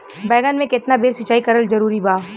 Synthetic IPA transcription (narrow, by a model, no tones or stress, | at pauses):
bɛːɡənmẽkɪt̪nabeːɾsɪt͡ʃːaːikɐɾəlzɐɾuːɾibaː